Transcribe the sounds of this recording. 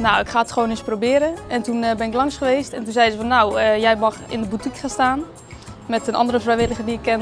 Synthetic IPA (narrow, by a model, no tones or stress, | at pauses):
nawɪkχaːətχəʋoːnɪsprobɪəɾəɛntunbɪnɪklˠɑŋsχəʋejstɛntunzɛjzəfɔnːawəjɛjmɑxɪ̰ndəbutikχaːnstaːn | mɛtənɑ̰ndəɾəvrɛjʋɪləχədiɪkːɛn